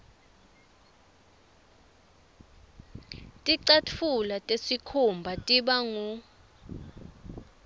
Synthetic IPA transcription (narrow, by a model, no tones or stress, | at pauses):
tʼiǀatʰulatʼesikʰumbʱatʼiɓaŋu